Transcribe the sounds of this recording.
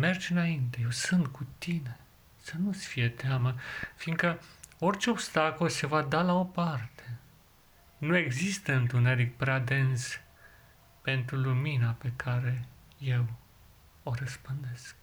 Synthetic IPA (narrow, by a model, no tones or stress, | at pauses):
me̞rd͡ʒɨnaint̪e̞je̞wsɨnt̪kʰut̪ine̞ | sənusfije̞t̪eaməfiŋɡkəo̞rt͡ʃeo̞b̥st̪akolse̞vad̪alao̞part̪e̞ | nue̞ɡzist̪əɨnt̪une̞ɾik̚pɾead̪e̞ns | pe̞nt̪ɾuluminape̞kʰaɾe̞ | je̞w | o̞ɾəspɨnd̪e̞sk̚